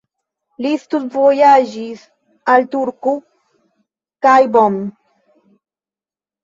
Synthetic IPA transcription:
list̪usvojaʒis | alt̪uɾku | kajbom

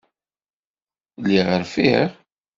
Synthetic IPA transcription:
lːiʁəɾfiɾ

